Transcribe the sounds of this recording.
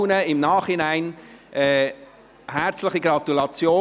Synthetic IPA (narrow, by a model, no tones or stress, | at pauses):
nəɪmnɑːχhɪnæɪnʔɛː | hæɾt͡sləχiɡɾɑt̪ulɑt͡sjoː